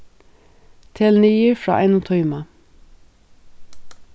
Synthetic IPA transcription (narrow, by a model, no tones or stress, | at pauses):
t̪ʰɪlniːəfɹɑ̰ːʔɛɪnʊːt̪ʰɔʏmɑ